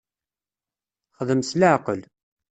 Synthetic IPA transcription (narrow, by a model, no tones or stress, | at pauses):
χəðəmsləʕqəl